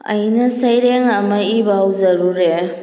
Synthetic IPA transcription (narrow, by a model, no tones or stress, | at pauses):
ɐ̰jnɐsɐjɾeŋɐmɐibawzɐɾuɾe